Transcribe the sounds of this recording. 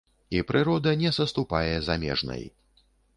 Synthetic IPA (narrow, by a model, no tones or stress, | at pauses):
ipɾʔɨɾɔd̪ɐnʲɛsɐst̪upajɛzamʲɛ̰ʐnɐ̰j